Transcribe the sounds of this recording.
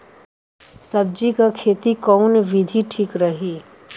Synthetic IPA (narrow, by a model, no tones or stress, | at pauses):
səb̚d͡ʒikakʰeːt̪ikɔːnʋɪd̪ʱiʈʰiːkɾəɦiː